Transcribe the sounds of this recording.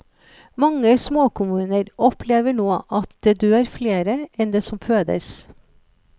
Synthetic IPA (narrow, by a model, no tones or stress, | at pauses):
mɑŋːəsmoːkʰʊmʉːnəɾɔpʰleːʋəɳoːʔɑt̪d̪̥eːd̪øːæːɾfleːɾəɛnd̪eːsɔmfʰøːd̪ə̰s